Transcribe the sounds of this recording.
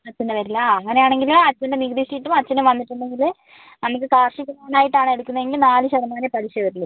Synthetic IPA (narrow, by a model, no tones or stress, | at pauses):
ɐt͡ɕːunːɐʋɐɾilːɐɐŋːɐnejaːɳe̞ŋɡilɐt͡ɕːɐndeniɣdiɕijiʈːumɐt͡ɕːɐnumʋɐnːiʈːuɳɖe̞ŋɡil | nɐmuk̬ːɨkaːrʂikːɐɾaːnaːjiʈːaːɳe̞ɽukːunːɐʋe̞ŋɡilnaːlɨɕɐðɐmaːnepɐɾiɕɐʋɐɾilːɐ